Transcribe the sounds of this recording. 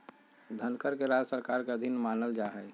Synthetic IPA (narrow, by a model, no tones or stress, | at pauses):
d̪ʱənkəɾkeɾad͡ʒsəɾkaːɾkeəd̪ʱɪnmaːnəld͡ʒaːɦɛː